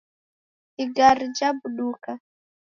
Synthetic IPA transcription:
iɡaɾid͡ʒabuɗuka

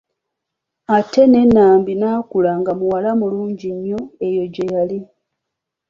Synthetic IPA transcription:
ate̞ne̞nːaːmbinaːkulaŋɡamuwalamuluːɲɟiɲːo̞e̞jo̞ɟejali

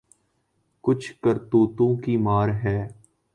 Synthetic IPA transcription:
kʊt͡ʃʰkəɾt̪oːt̪õkimaːɾɦɛː

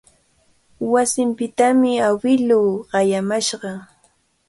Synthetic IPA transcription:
wasɪmpɪt̪amɪawɪluːɢɑjamaʃɢɑ

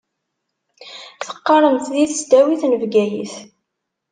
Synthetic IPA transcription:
θə̥qːɑɾˤəmt̪ðiθəsd̪æwiθnəvɡæjḭθ

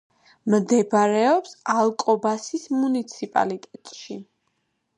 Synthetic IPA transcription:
md̪ɛbɾɛɔpsalˠkʼɔbasismunit̪sʰipʼa̰lit̪ʼɛt̪ʼʃi

